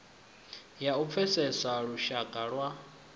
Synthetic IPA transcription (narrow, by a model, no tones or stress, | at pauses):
jaup̪fʰɛsɛsaɺuʃakʼaɺwa